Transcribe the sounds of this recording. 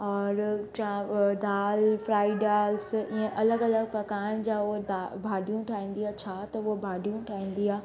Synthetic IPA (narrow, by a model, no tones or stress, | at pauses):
ɔːɾt͡ɕãd̪aːlfɾaːɪɖaːlsiə̃ʔɐləɡɐləɡpɐkaːɪñd͡ʑaːud̪abʱaːɖʱijũʈʰaːĩːn̆d̪iaːt͡ɕʰat̪ɐuobʱaːɖʱijũʈʰaːĩːn̆d̪iaː